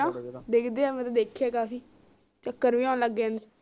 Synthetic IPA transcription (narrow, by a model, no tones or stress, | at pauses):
ãːd̪ekʰd̪eːaːmɛ̃t̪aːd̪eːkʰaːkaːfiː | t͡ʃəkːəɾbiːãːnləɡːẽnd̪e